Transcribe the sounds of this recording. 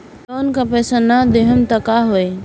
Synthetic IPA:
oːnkapɛːsanad̪eɦəmt̪akaɦoe

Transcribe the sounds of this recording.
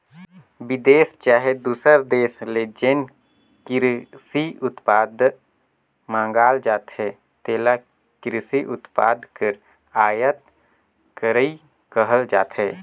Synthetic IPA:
bɪd̪eːst͡ʃaːɦed̪uːsəɾd̪eːsled͡ʒen | kɪɾsiʊt̪paːd̪ʱ | mãːŋɡaːld͡ʒaːt̪hɛ | t̪eːla | kɪɾɪsiʔʊt̪pa̰ːd̪ʱkəɾ | aːjət̪̚ | kəɾəi | kəɦəld͡ʒa̰ːt̪ɦɛː

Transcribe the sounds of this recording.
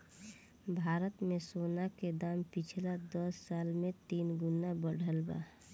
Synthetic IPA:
bʱaːɾət̪mẽsoːnaked̪aːmpɪt͡ʃʰlad̪ɔsːaːlmẽt̪iːnɡʊnabəɽ̤ʱəlba̰ː

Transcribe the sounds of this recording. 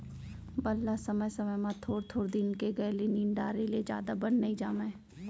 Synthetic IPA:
bɐlːasɐməjsɐməjmãt̪ʰoːɾt̪ʰoːɾd̪ɪnkeɡɐeliniːɳɖaːɾelied͡ʒja̰ːd̪abənːɐĩd͡ʒaːmẽː

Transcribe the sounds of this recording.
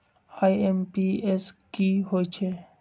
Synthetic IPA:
ajempieskiɦojt͡ʃʰe

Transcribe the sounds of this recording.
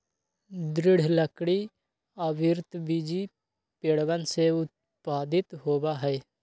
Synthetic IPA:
d̪ɾɪɽ̤ləkɽi | əbɪɾt̪bid͡ʒi | peːɽʋənseʊt̪̚ | paːd̪ɪt̪ɦoːbaɦɛː

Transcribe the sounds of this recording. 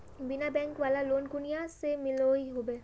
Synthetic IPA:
bɪnabɛ̃ːŋkʋaːlaloːnɡʊnijasemɪloɦiɦoːbeː

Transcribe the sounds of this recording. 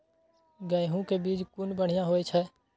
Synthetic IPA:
ɡəɪɦũkebiːd͡ʒkʊnbəɽ̤ijãɦoet͡ʃʰɛː

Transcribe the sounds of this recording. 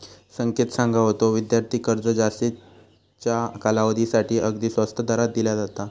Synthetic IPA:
səŋket̪sãŋɡʱaɦot̪oʋid̪jaɾt̪ʰiːkəɾd͡zəd͡ʑast̪i | t͡ɕjakalaʋd̪isaʈʰiːʔəɡd̪iːsʋəst̪ʰəd̪aɾat̪̚d̪iljad͡zat̪a

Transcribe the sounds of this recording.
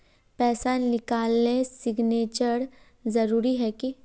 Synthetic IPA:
pɛːsannɪkaːlːesɪɡneːt͡ʃəɾ | zɐɾuːɾiɦɛki

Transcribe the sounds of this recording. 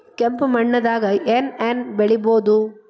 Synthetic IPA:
kɛmpɯmɐɳːɐðaːɣɐʔɛnɛnʋɛɭɪboːðu

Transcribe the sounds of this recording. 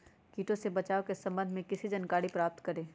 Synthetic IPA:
kiːʈõsebɐt͡ʃaːokesɐ̃mbənd̪mẽkɪsid͡ʒɐnkaːɽipɾaːp̚t̪kɐɾẽː

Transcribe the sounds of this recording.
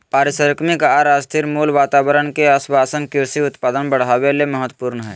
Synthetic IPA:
paːɾɪsəɾəkmɪkaːɾaːst̪ʰɪɾmuːlʋaːt̪aːwəɾənkeəswaːsənkɪɾsiʊt̪paːd̪ənbəɽ̤aːʋeleməɦət̪ːpuːɾnəɦɛː

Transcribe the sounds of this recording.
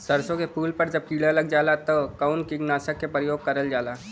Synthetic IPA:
sɐɾsõkepuːlpɐɾd͡ʒɐb̚kiːɽalɐɡ̚d͡ʒaːlat̪okaʊnkiɡnaːsəkːepɾəjoːɡ̚kɐɾəld͡ʒaːlaː

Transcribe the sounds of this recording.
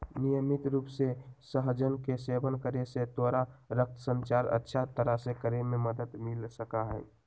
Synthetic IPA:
nijəmit̪ɾuːpsesəɦd͡ʒənkesebənkəɾeset̪oɾaɾək̚t̪ʰəsə̃nt͡ʃaɾə̰tːʃʰat̪əɾəsekəɾememəd̪əd̪milsəkaɦɛɪ

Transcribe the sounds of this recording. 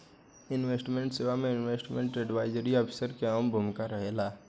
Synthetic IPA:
ɪnʋesʈmẽɳʈseːʋamẽɪnʋeːsʈmḛ̃ɳʈɛɖʋaːɪd͡ʒəɾiɔːpʰɪ̥səɾkeaːmbʱʊmkaɾɐɦeːlaː

